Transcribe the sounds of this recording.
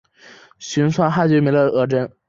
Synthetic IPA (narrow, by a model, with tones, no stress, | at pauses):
ɕy˧˥nswa˥nxa˥˩t͡ɕjɛ˧˥me˧˥ɪlə˧˩˧ɤ˥˩ʈ͡ʂə˥n